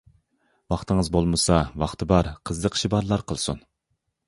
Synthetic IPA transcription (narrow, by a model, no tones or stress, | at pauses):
wɑχt̪ʰɨŋəzbolˠmɨsɑwɑχt̪ʰɨbɑɾqʰəzlˠəqʃibɑɾlˠɑɾqʰəlˠsṵn